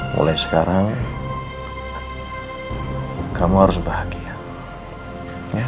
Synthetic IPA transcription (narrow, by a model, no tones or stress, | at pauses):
mo̰lajsə̥kaɾaŋ | kamuaɾʊsbahaɡia | ja